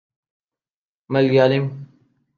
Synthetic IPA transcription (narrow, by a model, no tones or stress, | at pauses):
mɐlɡaːlim